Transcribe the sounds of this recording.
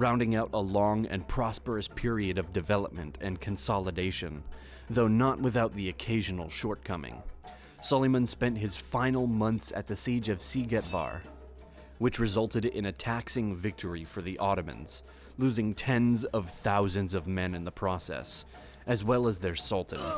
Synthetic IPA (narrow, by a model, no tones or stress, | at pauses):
ɹãʊ̃ndɪ̃ŋaʊɾʔəlɔ̃ŋɨ̰̃npʰɹ̥ɑspə˞ɨspʰɪɹiɨɾʌvdɨvɛlˠəp̚mɨ̃ntʰɨ̰̃nkʰɨ̃nsɑlˠədeɪʃɨ̰̃n | ðoʊnəʔ̚wɨθaʊt̪̚ðiɨkʰeɪʒɨn̩l̩ˠʃɔɹt̚kʰʌmɪ̰̃ŋ | sɑlˠimə̃nspɛ̃nt̚ɦɨz̥fãɪ̃nl̩ˠmʌ̃nθsɨ̰t̪̚ðɨsid͡ʒʌv̥siɡɛt̚v̥ɑ̰ɹ | wɨt͡ʃɹɨzʌlˠtɨɾɪ̰̃nɨtʰæksɪ̃ŋvɪk̚tʰə˞ifə˞ðiʔɔɾɨmɨ̰̃nz̥ | lʉzɪ̃ŋtʰɛ̃nzʌv̥θaʊzɨ̃nzʌvmɛ̃nɨ̃nðəpʰɹ̥ɔsɛ̰s | ʔɨzwɛlˠəzðə˞sʌlˠʔn̩